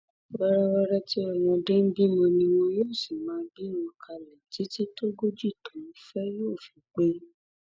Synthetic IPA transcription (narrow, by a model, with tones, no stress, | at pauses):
wa˧ɾa˦wa˧ɾa˦ti˦ɔ˦˨w̃ɔ̃˧dẽ˦n̩˦bi˦mɔ̃˧nĩ˧wõ˧joː˦˨si˨mãː˨˦bĩ˦ɔ̃˧kʰa˧lɛ˨ti˨˦ti˦to˦ɡo˦d͡ʒi˦˨tɔ̃˨˦˨fɛ˦joː˦˨fi˨k͡pe˦